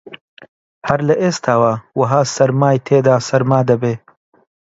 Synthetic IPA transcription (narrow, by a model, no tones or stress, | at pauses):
hɐɾlɐʔeːst̪ʰaːwawɐɦaːsɐɾmaːjt̪ʰeːd̪aːsɐɾmaːd̪ɐbeː